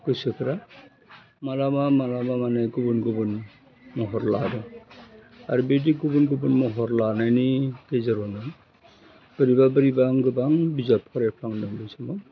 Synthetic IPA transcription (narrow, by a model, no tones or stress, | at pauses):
ɡɯsɯkʰɯɾa | malamamalamamaneɡubunɡubɯn | mɔɦɔɾladɔ | aɾubediɡubunɡɯbɯnmɔɦɔɾlanajniɡezaɾɔnɯ | b̥ɯɾibabɯɾibaŋɡɯbaŋbizapʰɔɾɛpʰɾaŋnɯŋbɯsamɔ